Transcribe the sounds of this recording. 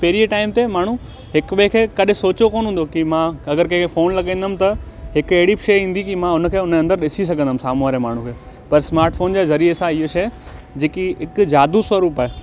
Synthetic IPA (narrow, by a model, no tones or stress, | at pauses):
peːɾieʈaːɪmt̪emaːɳ̤ũ | ɦɪkɓekʰeːkɐɗɪsoːt͡ɕokoːnɦũːnd̪okimãɐɡəɾkɐ̃kʰefoːnlɐɠẽːnd̪əm̆t̪ɐ | ɦɪkeɦɪɽibʃeːɦĩːn̆d̪ikimãʊnəkʰeːʊnɐ̃nd̪əɾɗɪsis̬ɐɡʱə̃nəmsaːmuaːɾemaːɳ̤ũkʰeː | pɐɾsmaːɾʈfʰoːnd͡ʑeːzɐɾiːɾesãɪɦoʃeːd͡ʑeːkiɦɪkd͡ʑaːd̪usʋɐɾuːpaːɦeː